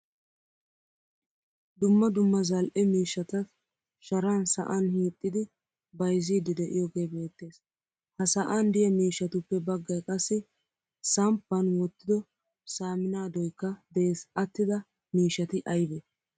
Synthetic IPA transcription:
d̪ʊmːɐd̪ʊmːɐzɐlʔɛmiːʃːɐt̪ɐ | ʃɐɾaːnsɐ̰ʔɐnhiːt̪ʼːɪd̪ɪ | bɐjziːd̪ɪd̪ɛʔɪ̰jɔɡe̞ːbe̞ːt̪ːe̞ːs | hɐsɐʔand̪ɪjɐmiːʃːɐt̪ʊpːɛbɐɡːɐjkʼɐsːɪ | sɐmpːɐnwɔt̪ːɪd̪ɔ | saːmɪnaːd̪ɔjkːɐd̪ɛʔeːsɐt̪ːɪd̪ɐ | miːʃːɐt̪ɪʔɐjbɛ

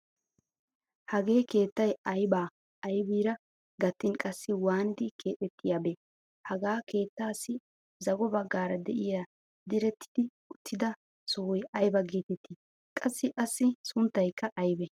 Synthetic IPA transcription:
hɐɡe̞ːke̞ːt̪ːɐjɐjbaː | ɐjbiːɾɐ | ɡɐt̪ːɪnkʼɐsːɪwaːnɪd̪ɪkʰe̞ːt̪ɛt̪ːɪjaːbɛ | hɐɡaːke̞ːt̪ːaːsːɪ | zɐɡɔbɐɡːaːɾɐd̪ɛʔɪja | d̪ɪɾɛt̪ʰːɪ̥d̪ɪ | ʊt̪ʰːɪd̪ɐ | sɔhʊjɐjbɐɡeːt̪ɛt̪ʰːi | kʼɐsːɪʔɐsːɪsʊnt̪ːɐjkːɐʔɐjbɛ

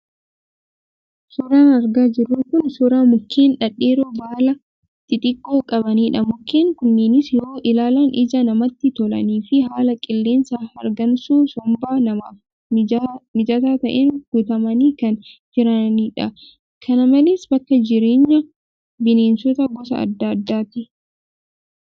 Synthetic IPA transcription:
sʊɾaːnɐɾɡaːd͡ʒɪrːukʊnsʊɾaːmʊkʰːeːnᶑɐᶑeːɾoːbaːlɐ | t̪ʼːɪt̪ʼɪkʼːoːkʼɐbɐniːᶑɐmʊkːeːŋkʊnːeːnɪsjoːʔɪlaːlɐːnʔɪd͡ʒɐnɐmɐt̪ːɪt̪ɔlɐ̰niːfɪɦaːlɐkʼɪlːe̞ːnsaːhɐɾɡɐnsuːsɔmbaːnɐma̰ːf | mɪd͡ʒɐt̪aːt̪ɐʔeːnɡ̥ʊt̪ɐmɐniːkɐnd͡ʒɪɾɐniːᶑɐ̰ | kʰɐnɐmɐleːsb̥ɐkːɐd͡ʒɪɾe̞ːɲːɐ | bɪneːnsɔt̪ɐɡɔsɐ̰ɐ̰d̪ːɐːd̪ːaːt̪ɪ

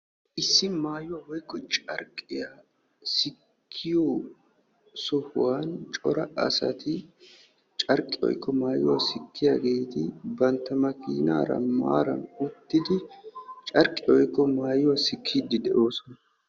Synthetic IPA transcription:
ʔɪsːɪmaːjːʊwawɔjkːɔt͡ʃʼɐɾkʼːɪja | sɪkkʰːɪjo | sɔhʊwaːnt͡ʃʼɔɾɐʔɐsɐ̰t̪ʰɪ | t͡ʃʼɐɾkʼːɪwɔ̰jkːɔmaːjːʊ̰wasɪkʰːɪjaːɡe̞ːt̪ɪ̰bɐnt̪ːɐmɐkiːna̰ːɾɐ̰ma̰ːɾɐ̰nʊt̪ːɪd̪ɪt͡ʃʼɐɾkʼːɪɔjkːɔmaːjʊwasɪkʰːid̪ɪd̪ɛʔo̞ːsɔnɐ

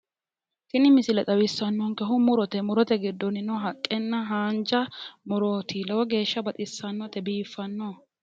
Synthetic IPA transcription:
kɪnɪmɪsɪlɛt̪ʼɐwɪsːɐnːɔŋkɛɦʊmʊɾɔt̪ɛmʊɾɔt̪ɛɡɪd̪ːɔnɪnɔɦɐkʼːɛnːɐɦaːnd͡ʒɐmʊɾɔt̪ʰɪlɐwɔɡe̞ːʃːɐbɐt̪ʼɪsːɐnːɔt̪ɛbiːfːɐnːo

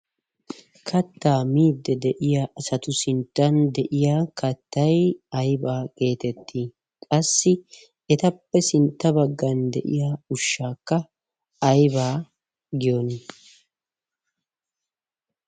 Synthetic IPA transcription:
kʰɐt̪ːaːmiːd̪ːɛd̪ɛʔɪjaːʔɐsɐt̪ʊsɪnt̪ːɐnd̪ɛʔɪjaːkɐt̪ːɐjɐjbaːke̞ːt̪ɛt̪ːiː | kʼɐsːɪ | ɛt̪ɐpːɛsɪnt̪ːɐbɐɡːɐnd̪ɛ̰ʔɪ̰jaːʊʃːaːkːɐː | jbaː | ɡɪjonɪ

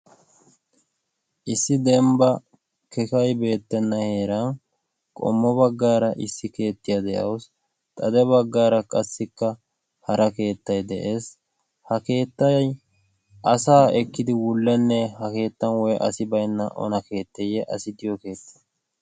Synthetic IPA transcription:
ʔɪsːɪd̪ɛmbɐ | kɛkɐjbe̞ːt̪ːɛnːɐhe̞ːɾɐn | kʼɔ̰mːɔbɐɡːaːɾɐʔɪsːɪke̞ːt̪ːɪjad̪ɛʔɐ̰ws | t̪ʼɐd̪ɛbɐɡːaːɾɐkʼɐsːɪkːɐ | hɐɾɐke̞ːt̪ːɐjd̪ɛʔe̞ːs | hɐke̞ːt̪ːɐj | ʔɐsaːʔɛkːɪd̪ɪwʊlːɛnːɛhɐke̞ːt̪ːɐnwɔjʔɐ̰sɪbɐjnːɐ̰ʔɔ̰nɐke̞ːt̪ːɛjɛʔɐsɪd̪ɪjɔke̞ːt̪ːɪ̥

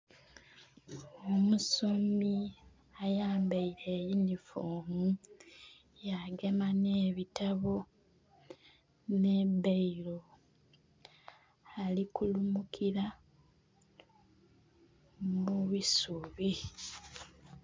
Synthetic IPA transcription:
omusomi | ajaːmbaiɾe̞jinifoːmu | jaɡe̞maneːβitaβo | ne̞beiɾo̞ | alikulumukʰiɾa | muβisuβi

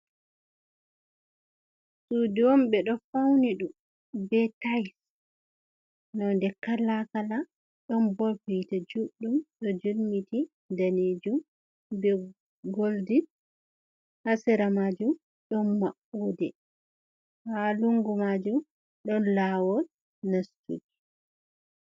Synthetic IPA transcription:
sudiwɔmɓɛɗɔfawniɗum | bɛtajs | nɔndɛkalakala | ɗɔnbɔlfitad͡ʒuɗumɗɔd͡ʒulmiti | daned͡ʒum | bɛ | ɡoldi | hasɛɾamad͡ʒum | ɗɔnmaʔudɛ | haluŋɡumad͡ʒum | ɗɔnlawɔ | nastṵɡi̥

